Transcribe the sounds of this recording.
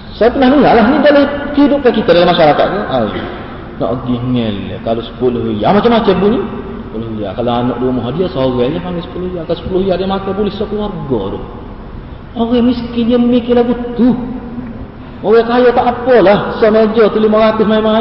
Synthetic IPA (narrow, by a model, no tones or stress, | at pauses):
sap̪ənahniŋalaɦnidaʔlahkidʊʔ̚kakit̪adalamːaʃaɾakat̪̚kəawḭ | nɔ̰ʔɡiŋɛl̰ːkalosə̥pulʊɦija̰mat͡ʃamat͡ʃɛbunisəpuluhia̰kaloanɔ̰ʔduamɔɦɔdiasoɣɛjahmaŋasə̥pulʊijakasə̥puluhijadamak̪abulɪhsɔklwarɡɔ̰ɾʊ̰h | oɣɛmiskɪnɲəmikilahɡut̪u | mowɛkajɔt̪aʔpɔlahsɔned͡ʒɔt̪ulimaɣat̪ɪhmaima